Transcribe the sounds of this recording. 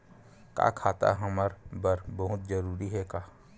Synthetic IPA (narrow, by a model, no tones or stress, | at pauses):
ka̰ːkʰaːt̪a̰ɦəməɾbəɾbəɦʊt̪d͡ʒəɾuːɾiɦɛkaː